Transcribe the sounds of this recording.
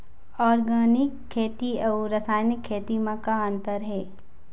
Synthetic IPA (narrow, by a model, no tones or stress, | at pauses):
ɔːɾɡaːnɪkʰːeːt̪iəwɾəsaːjnɪkʰːeːt̪imãkaə̃nt̪əɾɦɛː